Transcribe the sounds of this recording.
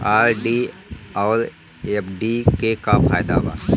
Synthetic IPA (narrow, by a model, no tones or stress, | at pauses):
aːɾɖiɔːɾ | epɖikekafʰaːjd̪a̰ʋa̰n